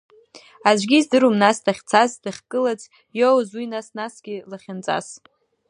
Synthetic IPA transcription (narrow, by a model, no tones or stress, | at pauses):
azʷɡʲizdɨɾumnasdaχʲt͡sʰasdɨχʲkʼɨlat͡sʼ | jowzwinasnasɡʲilaχʲant͡sʼa̰s